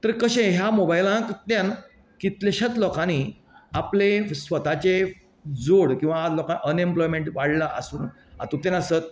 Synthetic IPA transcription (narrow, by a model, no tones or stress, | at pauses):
t̪əɾkəɕẽɦjamobajlant̪t̪jan | kit̪leɕət̪lɔkãni | aplesʋət̪at͡ɕe | d͡zoɽkĩw̃ʋalɔkãnʔənemplɔjmeɳʈʋaɽlaʔəsuːn | a̰t̪ut̪anəsət̪̚